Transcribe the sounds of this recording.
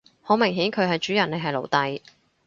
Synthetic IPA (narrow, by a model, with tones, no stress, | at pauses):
ho˨˥wmɪ˨˩ŋɦiː˨˥nkʰɵ˨˧ɥɦɐ˨jt͡ʃyː˨˥jɐ˨˩ne˨˧jɦɐ˨jlo̰˨˩wt̪ɐ˨˧j